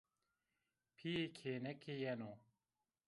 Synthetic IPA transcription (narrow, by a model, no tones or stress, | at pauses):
pʰijekʰeːnɛkʰejɛno